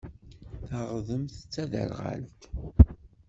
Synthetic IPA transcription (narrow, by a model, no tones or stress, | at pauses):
θaʁðəmθət͡sːæðə̰ɾʁa̰lt̪